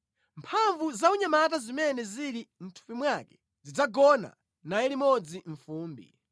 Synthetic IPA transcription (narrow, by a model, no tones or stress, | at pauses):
mpʰaɱvuzauɲamat̬azimɛnɛziɾim̩tʰu̥pimwakɛ̥ | zid͡zaɡɔna̰ | najɛlimɔd͡ziɱfuːmbḭ